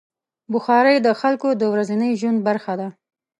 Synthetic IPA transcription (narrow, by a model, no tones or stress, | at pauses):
bʊxɑɾəjd̪əxalkod̪əwɾazinəjʒwand̪̚baɾxad̪a